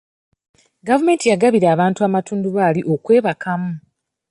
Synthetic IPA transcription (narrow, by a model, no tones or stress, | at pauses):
ɡavume̞ːntijaɡaβiɾaːβaːntuaːmatuːnduβaːliʔo̞kwe̞ːβakamu